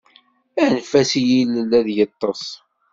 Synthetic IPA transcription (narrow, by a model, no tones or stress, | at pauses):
ænfæsijiləlːæðjət̪ˤːɑsˤ